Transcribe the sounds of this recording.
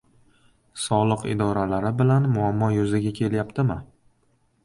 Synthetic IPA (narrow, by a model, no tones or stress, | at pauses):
sɒlˠɨqɪ̰d̪ɒɾalaɾɪbɪlanmʊamːɒjʊzɪɡʲakʲʰe̞ljapt̪ʰɪmɪ